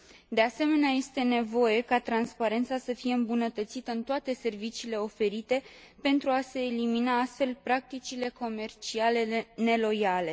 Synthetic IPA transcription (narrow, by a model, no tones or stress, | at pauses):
d̪e̞ase̞me̞neaje̞st̪e̞ne̞vo̞je̞kat̪ɾanspaɾe̞nt̪sasəfije̞ɨmbunət̪ət̪sit̪əɨnt̪oat̪e̞se̞rvit͡ʃiːle̞o̞fe̞ɾit̪e̞ | pe̞nt̪ɾuase̞ːliminaast̪fe̞lpɾak̚t̪it͡ʃile̞ko̞me̞rt͡ʃiale̞ne̞lo̞jale̞